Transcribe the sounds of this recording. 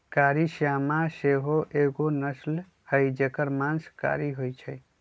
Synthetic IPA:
kaːɾiʃjamaseɦoʔeɡonəsl | həjd͡ʒekəɾmãnska̰ɾiɦojt͡ʃʰə

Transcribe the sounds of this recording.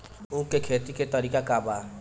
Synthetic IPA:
ũːkekʰeːt̪iket̪əɾiːkakaːbaː

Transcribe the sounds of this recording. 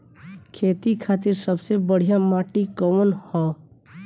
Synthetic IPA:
kʰeːt̪ikʰaːt̪iɾsəbsebəɽ̤ijamaʈikɔmənhɔ

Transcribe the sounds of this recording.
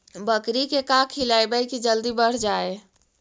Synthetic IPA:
bəkɾikekãkʰilajbəjkid͡ʒəld̪ibəɽ̤d͡ʒae

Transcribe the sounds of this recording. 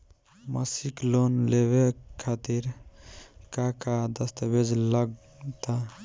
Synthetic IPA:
məsiklonleβekʰːat̪iɾ | kakad̪əst̪əbed͡ʒləɡ | t̪a

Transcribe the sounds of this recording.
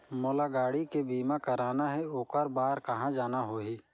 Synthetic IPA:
moːlaɡaːɽikebiːmakəɾaːnaɦɛoːkəɾbaːɾkɐɦãd͡ʒaːnaɦoːɦiː

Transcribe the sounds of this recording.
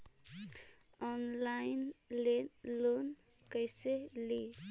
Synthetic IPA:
ɔnlajnlelonkəjsele

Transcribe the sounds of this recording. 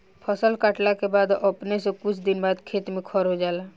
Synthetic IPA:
pʰəsəlkaʈlakebaːd̪əpnesekʊt͡ʃʰd̪ɪnbaːd̪kʰeːt̪mẽkʰɔɾɦod͡ʒaːlaː

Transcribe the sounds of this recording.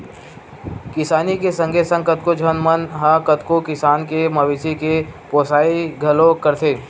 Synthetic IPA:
kɪsaːnikesə̃ŋɡʱesə̃ŋɡkət̪̚kod͡ʒʱənmənɦakət̪kokɪsaːnkemɐʋɪsikepoːsaːiɡʱɐlõkəɾt̪ʰeː

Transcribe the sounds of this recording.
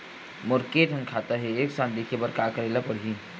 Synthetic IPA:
mʊɾkeːʈ̪ənkʰaːt̪aɦɛeeːksãːnd̪ikʰebəɾkaːkəɾeːlapəɽ̤ɦĩ

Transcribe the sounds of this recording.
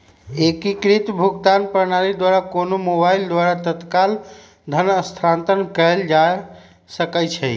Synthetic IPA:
ekikɾit̪bʱuɡt̪anpəɾnaɾid̪waɾakonomobaild̪waɾat̪ət̪kal | d̪ʱənəst̪ʰɾant̪ənkəjld͡ʒa | səkət͡ʃʰɛ

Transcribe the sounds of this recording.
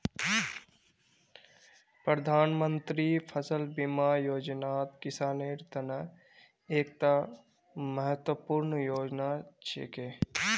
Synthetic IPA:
pɾəd̪ʱaːnmənt̪ɾipʰəsəlbimajoːd͡ʒnaːt̪kɪsaːneːɾt̪ɐnə | eːk̚t̪a | məɦət̪wəpuɾnəjoːd͡ʒnat͡ʃḛːke

